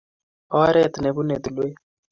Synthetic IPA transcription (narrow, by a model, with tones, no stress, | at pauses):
ɔ˦ɾɛ˦˨t̪ne˨bu˦ne˨d̪u˨lwe˦